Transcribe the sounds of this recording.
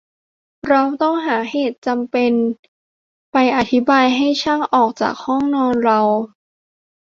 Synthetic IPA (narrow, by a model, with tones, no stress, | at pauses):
ɾa˧wt̪ɔ˥˩ŋɦaː˩˦heː˨˩t̪̚t͡ɕa˧mpe˧n | pa˧jʔa˧˩t̪ʰi˦˥baː˧jɦa˥˩jt͡ɕʰa˥˩ŋʔɔː˨˩k̚t͡ɕa̰ː˨˩k̚hɔ˥˩ŋnɔː˧nɾa˧w